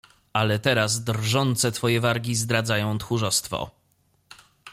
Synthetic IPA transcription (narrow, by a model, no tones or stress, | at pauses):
ʔalɛt̪ɛɾasd̪ɾʐɔnt̪sɛt̪fɔjɛvaɾɡʲizd̪ɾad̪zajɔ̃w̃t̪xuʐɔst̪fɔ̰